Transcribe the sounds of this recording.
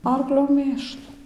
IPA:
ˈɐrklʲoː ˈmʲeːʃlˠʊ

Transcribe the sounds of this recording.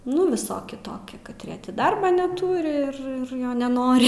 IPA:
ˈnʊ ʋʲɪˈsoːkʲɪ ˈtoːkʲɪ kɐtʲˈrʲiɛ ˈtʲɪ ˈdɐrbɑː nʲɛˈtuːrʲɪ ɪr ˈjoː nʲɛˈnoːrʲɪ

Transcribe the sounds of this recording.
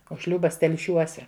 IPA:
oː ˈʃʲlʲuːbɐs tʲɛlʲˈʃʲuɔsʲɛ

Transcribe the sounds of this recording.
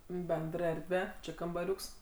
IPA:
ˈbʲɛndr ˈɛrʲdʲʋʲɛ ˈt͡ʃʲɪ kɐmbɐˈrʲʊks

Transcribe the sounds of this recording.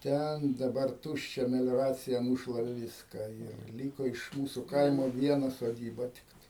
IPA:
ˈtʲɛn dɐˈbɐr ˈtuːʃʲt͡ʃʲɛ mʲɛlʲoːˈrɑːt͡sʲɪjɛ ˈnuːʃlˠɐʋʲɛ ˈʋʲɪskɑː ɪr ˈlʲiːkoː ɪʃ ˈmuːsʊ ˈkɐɪmoː ˈʋʲiɛnɐ soːˈdʲiːbɐ ˈtʲɪktɐɪ

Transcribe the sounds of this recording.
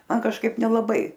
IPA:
ˈmɐn kɐʃˈkɐɪp nʲɛlˠɐˈbɐɪ

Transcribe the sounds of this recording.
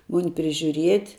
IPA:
ˈmʊnʲɪ pʲrʲɪʒʲʊˈrʲiɛtʲ

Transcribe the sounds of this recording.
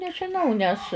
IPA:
nʲɛʒʲɪˈnɐʊ nʲɛs

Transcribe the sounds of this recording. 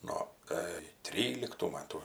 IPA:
ˈnoː ˈkɐɪ ˈtʲrʲiːlʲɪktuː ˈmɑːtuː

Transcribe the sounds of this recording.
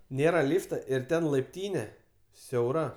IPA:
ˈnʲeːrɐ ˈlʲiːftɐ ɪr ˈtʲɛn lˠɐɪpʲˈtʲiːnʲɛ sʲɛʊˈrɐ

